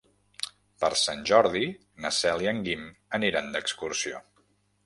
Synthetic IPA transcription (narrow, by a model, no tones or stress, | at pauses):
pəɾsanʲʒɔɾði | nəsɛlˠiəŋɡiməniɾand̪əkskuɾsio